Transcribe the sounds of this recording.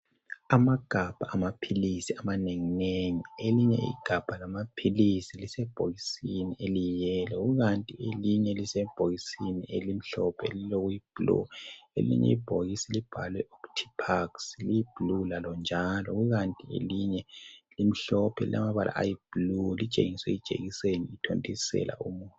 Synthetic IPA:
amaɡ̥ʱab̥ʱaʔːmapʰilisiamaneŋineŋieliɲɛḭɡ̥ʱab̥ʱalamapʰilisilisɛb̥ʱoɣisinielijɛlɛɣuɣantʼieliɲɛlisɛb̥ʱoɣisinielim̩ɬɔpʰɛ̰liloɣujib̥lṵelḭɲɛ̰ib̥ʱoɣisilib̥ʱalwɛʔoktʰi̥pʰakslijib̥ʱlulalɔnd͡ʒʱalɔɣuɣantʼiḛliɲɛlim̩ɬɔpʰɛlḭlʔa̰maβalʔa̰ʔa̰jib̥lulit͡ʃʼḛŋiswɛit͡ʃʼḛɣiseniitʰo̰ntʼisɛ̰lʔa̰ʔumuːntʼu

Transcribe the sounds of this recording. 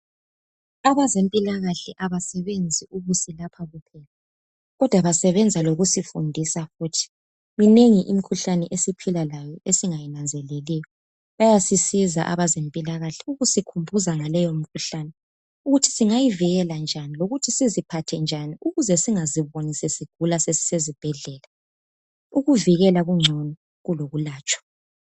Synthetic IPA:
aβazempʼilaɣaɬɛʔaβasɛβend͡zʱiuɣusilapʰaɣupʰɛla | ɣɔd̥ʱwaβasɛβɛnd͡zʱaloɣusifṵndʱisafuːtʰi̥ | mineŋiʔimikʰuɬanɛʔesipʰilalajɔesiŋajinand͡zʱɛlɛlɛjɔ | βajasisiza̰ʔa̰βazempʼilaɣaɬɛ̥uɣusikʰumbʱuzaŋalɛjomikʰuɬanɛ | uɣutʰi̥siŋajiviɣɛland͡ʒʱaniloɣutʰisizipʰatʰɛnd͡ʒʱaniʔuɣuzɛsiŋaziβonisɛsiɡ̥ʱulasesi̥sezib̥ʱɛɮɛla | uɣuviɣɛlaɣuŋ͡ǀʱɔnɔ | ɣuloɣulaːt͡ʃʼwḁ

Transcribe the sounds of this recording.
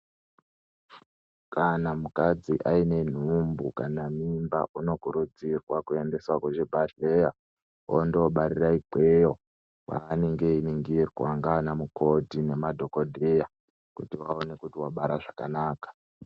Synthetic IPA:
kʰanamukad͡ziʔaine̞n̤umbukanamimbaʔuno̞kuɾud͡zirwakue̞nde̞swakweʒebʱaʃeja | o̰ndoɓaɾiraikejo | wa̰neŋɡe̞iniŋɡirwaŋɡaːnamukʰo̞dine̞madʱo̞kodʱeja | kutiwao̞ne̞kutiwaɓaɾaʐakanaːkḁ

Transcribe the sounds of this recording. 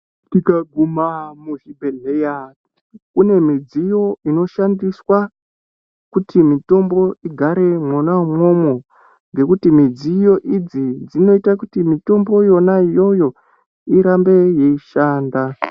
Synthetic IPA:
tikaɡʱumamuʒibʱeɮeja | kune̞mid͡zijo̞ino̞ʃandiswa | kutʰimito̞mbo̞iɡʱaɾe̞mwonamwo̞mwo | ŋɡe̞kutimid͡zijo̞ʔid͡zid͡zino̞itakutimito̞mbo̞jo̞naijo̞jo̞ | iɾambe̞je̞iʃaːnda

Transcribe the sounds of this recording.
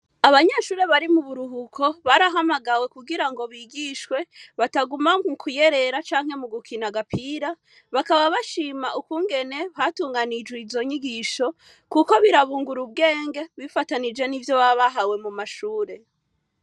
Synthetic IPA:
aβaɲeːʃuːɾe̞βaɾimuβuɾuɦukʰo̞βaɾaɦamaɡawe̞kuɡiɾaŋɡo̞βiɡiʃkwe̞βataɡumaukʰuje̞ɾe̞ɾat͡ʃaːŋ̥he̞muɡukʰinaɡapʰiːɾa | βakaβaβaʃiːmaʔukuːŋɡe̞ne̞hatuːŋɡanid͡ʒweizo̞ɲiɡiʃo̞ | kuko̞βiɾaβuːŋɡuɾub̚ɡe̞ːŋɡe̞βifatanid͡ʒe̞nivjo̞βaβaɦawe̞mumaʃuːɾe̞

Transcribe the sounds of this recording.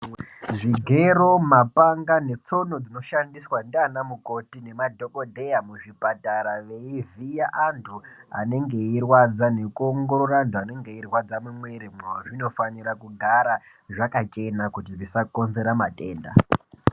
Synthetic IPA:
ʐiɡʱe̞ɾo̞mapaŋɡane̞t͡so̞no̞d͡zino̞ʃandiswandanamuko̞tine̞madʱo̞ko̞dʱe̞jamuʐipataɾaʋe̞ivijaʔantʰua̰ne̞ŋɡe̞irwad͡zane̞kuoŋɡo̞ɾoɾantʰuane̞ŋɡe̞irwad͡zamumweɾimoʐino̞faniɾakuɡʱaɾa | ʐakat͡ʃe̞nakutiʐisako̞nze̞ɾamate̞ːnda̰

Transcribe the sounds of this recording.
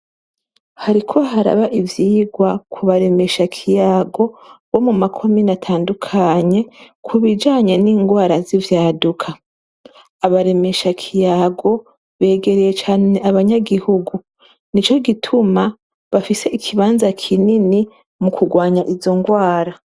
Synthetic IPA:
haɾikʰo̞ɦaɾa̰βaʔivjiːɡwakʰuβaɾe̞me̞ʃakʰijaːɡo̞βo̞mumakʰo̞minatʰaːndukʰaɲe̞kʰuβid͡ʒaːɲe̞niːŋɡwaːɾazivjaːdukʰaː | βaɾe̞me̞ʃakʰijaːɡo̞ | βe̞ːɡe̞ɾeje̞t͡ʃaːne̞ʔaβaɲaɡihuɡu | nit͡ʃo̞ɡitʰuma | βafise̞ikʰiβaːnzakʰinini | mukuɡwaːɲaʔizo̞ŋɡwaːɾa

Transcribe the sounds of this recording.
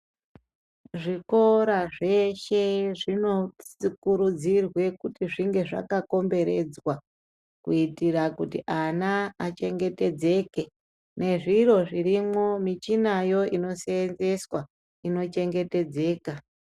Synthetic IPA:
ʐiko̞ɾaʐe̞ʃe̞ʐino̞sikuɾud͡zirwe̞kutiʐiŋɡe̞ʐa̰kako̞mbe̞ɾe̞d͡zwa | kuitirakutḭʔanaːt͡ʃe̞ŋɡe̞te̞d͡ze̞ke | ne̞ʐiro̞ʐirimwo̞mit͡ʃinajo̞ino̞seːnze̞swa | ino̞t͡ʃe̞ŋɡe̞te̞d͡ze̞ːka

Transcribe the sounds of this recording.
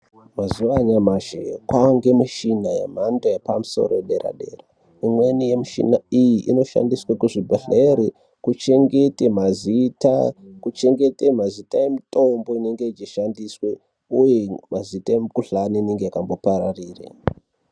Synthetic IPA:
mazuʋaɲamaʒḛkwaŋɡe̞muʃinajḛm̤andojepamuso̞̰roɗe̞ɾa̰ɗe̞̰ːra | imwe̞nije̞miʃḭnaijiʔino̞ʃa̰ndiswakuʐibʱeɬeɾi | kut͡ʃe̞ŋɡe̞temazita̰kut͡ʃe̞ŋɡe̞temazitaje̞mito̞mbo̞ine̞ŋɡe̞it͡ʃiʃandiswe | ujemazitaemikuɬaniine̞ŋɡe̞jakambo̞paɾariːrḛ

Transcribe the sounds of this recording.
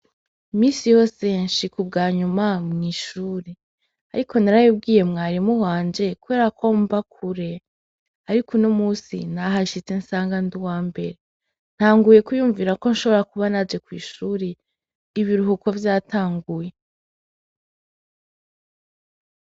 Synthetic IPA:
imiːsijo̞ːse̞nʃikub̚ɡaːɲumamŋiːʃuːɾe | a̰ɾikʰo̞naɾajub̚ɡiːje̞mŋaːɾimuwaːɲd͡ʒe̞kuβe̞ːɾakʰo̞ːmbakʰuɾe̞ | aɾikʰunomuːsḭnaɦaʃit͡sensaːŋɡanduwaːmbe̞ɾe | n̥haːŋɡuje̞kujuːɱviːɾako̞nʃo̞βo̞ɾakuβanad͡ʒe̞kwḭːʃuːɾe | iβiɾuɦuko̞vjaːtʰaːŋɡuje̞

